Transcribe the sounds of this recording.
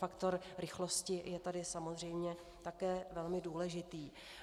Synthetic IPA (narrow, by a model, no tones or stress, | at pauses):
akt̪oɾɾɪxlo̞scɪjɛt̪adɪsamozr̝ɛjmɲɛ | t̪akɛːvɛlmɪduːlɛʒɪt̪iː